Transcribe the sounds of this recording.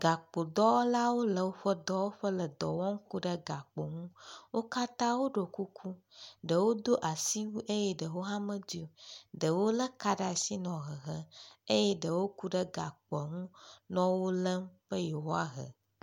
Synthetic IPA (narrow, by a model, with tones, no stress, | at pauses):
ɡa˨k͡po˨d̪ɔ˦wla˦wo˦lə˨wo˦ɸə˦d̪ɔ˦wo˦ɸə˦lə˨d̪ɔ˨wɔ̃˦ŋ̩˦ku˦ɖə˦ɡa˨k͡po˨ŋũ˦wo˦ka˦t̪ã˦wo˦ɖo˨ku˦kʰu˦ɖə˨wo˦d̪o˦ʔa˨si˦wu˦ʔe˦jɛ˦ɖə˨wo˦ɦa˦mə̃˦d͡ʑi˦o˨ɖə˨wo˦lə˦ka˦ɖa˨si˦nɔ̃˨ɣə˨ɣə˦e˦jɛ˦ɖə˨wo˦ku˦ɖə˦ɡa˨k͡pɔ˨ŋũ˦nɔ̃˦wo˦lə˦m˦ɸə˦jɛ˨wo˦a˦ɦə̰˨